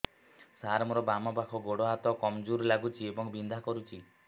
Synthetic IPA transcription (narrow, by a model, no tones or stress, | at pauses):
saɾmɔɾɔbamɔpakʰɔɡoɽɔɦat̪ɔkɔmd͡ʒuɾlaɡut͡ʃʰiebɔŋbind̪ʱakɔɾut͡ʃʰi